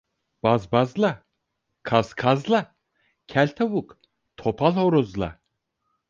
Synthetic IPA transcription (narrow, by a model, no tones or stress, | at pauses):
b̥azbazlˠa | kʰazkʰazlˠa | cʰælʲt̪ʰawuk | t̪ʰopʰalˠhoɾuzlˠa̰